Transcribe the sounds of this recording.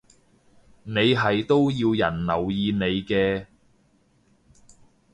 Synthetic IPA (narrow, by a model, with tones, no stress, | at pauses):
ne˨˧jɦɐ˨jt̪o˥wjiː˧wjɐ˨˩nlɐ˨˩wjiː˨˧ne˨˧jkɛː˧